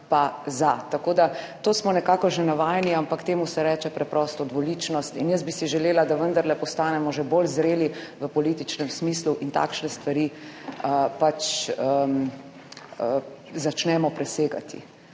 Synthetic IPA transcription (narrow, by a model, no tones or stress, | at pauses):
pazat̪akoːd̪a | t̪oːsmɔnɛkaːkɔʒenaʋaːjniampakt̪eːmusɛɾɛːt͡ʃɛpɾɛpɾɔst̪ɔd̪ʋɔliːt͡ʃnɔst̪injəsbisiʒɛleːlad̪aʋənd̪aɾlɛpɔst̪aːnɛmɔʒebolzɾeːliʋəpɔlit̪it͡ʃnɛmsmiːsluʔint̪a̰ːkʃnɛst̪ʋaɾiːəpat͡ʃəm | ə | zat͡ʃnɛmɔpɾɛseːɡa̰t̪ʰḭ